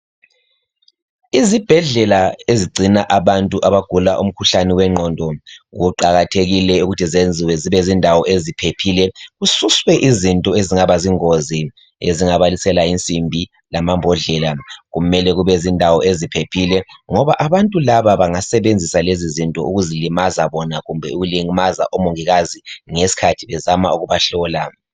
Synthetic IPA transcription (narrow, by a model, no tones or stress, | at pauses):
izib̥ʱɛɮɛlaeziɡ͡ǀʱinaʔaβantʼuʔaβaɡ̥ʱulaʔum̩kʰuɬaniwɛŋ͡ǃʱɔndʱɔɣuǃaɣatʰeɣilɛuɣutʰizend͡zʱiwɛziβɛzindʱawɔʔezipʰepʰilɛɣususwɛʔizintʼɔeziŋaβaziŋozi | ḛziŋaβalisɛlaint͡sʼimbʱi | lamambʱɔɮɛlaɣumɛlɛɣuβɛzindʱawɔʔezipʰepʰilɛŋɔβaʔaβantʼulaβaβaŋasɛβend͡zʱisalezizintʼɔ̰ʔuɣuzilimazaβɔnaɣumbʱɛuɣuliŋmaza̰ʔɔmoŋiɣaziŋesi̥kʰatʰiβɛzama̰uɣuβaɬɔːla